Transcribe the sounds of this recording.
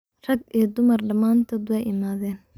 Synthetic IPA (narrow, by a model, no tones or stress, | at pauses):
rɐɡɛːd̪ʊmɐrɖɐmaːnt̪ʰɐd̪ʊwɛjʔɪmaːðɛːn